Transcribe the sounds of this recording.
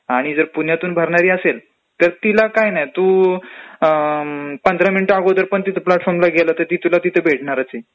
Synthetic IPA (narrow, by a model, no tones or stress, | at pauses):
aɽ̃id͡zəɾpun̤jat̪uːnbʱəɾɳaɾiːəsel | t̪əɾt̪ilakajnajt̪uː | pənd̪ʱɾaminiʈaɡot̪əɾpəɳt̪it̪ʰəplaʈfɔɾmlaɡʱelat̪əɾt̪iːt̪ulat̪it̪ʰəbʱeʈɳaɾat͡se